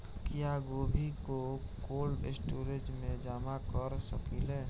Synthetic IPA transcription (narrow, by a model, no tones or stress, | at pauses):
kjaːɡoːbʱikokoːlɪsʈoːɾet͡ʃmẽd͡ʒaːmakəɾsəkileː